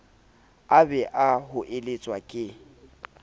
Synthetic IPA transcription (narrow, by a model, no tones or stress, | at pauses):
abɛʔaɦʊʔelet͡sʼwakʼɪ